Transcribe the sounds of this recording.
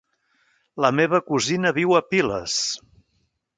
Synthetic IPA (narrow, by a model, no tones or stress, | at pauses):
ləmeβəkuzinəβiwəpilə̰s